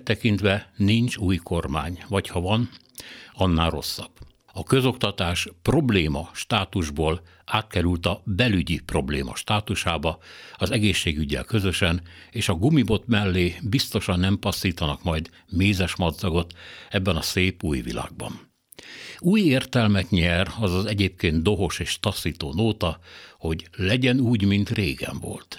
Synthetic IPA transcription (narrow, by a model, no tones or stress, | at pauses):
t̪ːɛkint̪ʋɛniɲt͡ʃuːjkʰo̞rma̰ːɲʋɒchɒvɒn | ɒnːaːlro̞̰sːɒ̰b̥ | ɒkø̞zo̞kt̪ɒt̪aːʃpro̞bleːmɒʃt̪aːt̪uʒboːl | aːt̪kɛɾylt̪ɒbɛlyɟipro̞blḛːmɒ̰ʃt̪aːt̪uʃaːbɒɒzɛɡeːʃːeːɡyɟːɛ̰lkø̞zø̞ʃɛneːʃɒɡumibo̞t̪mɛlːeːbist̪o̞ʃɒnːɛmpɒsːiːt̪ɒnɒkmɒjd̪ | meːzɛʃmɒd̪zɒɡo̞t̪ɛbːɛnɒseːpuːjvḭla̰ːɡ̚bɒ̰n | uːjeːrt̪ɛlmɛt̪ɲɛrɒzɒzɛɟeːpkeːnt̪d̪o̞ɦo̞ʃeːʃt̪ɒsːiːt̪oːnoːt̪ɒho̞ɟlɛɟɛnuːɟmint̪reːɡɛ̰ɱvo̞̰lt̪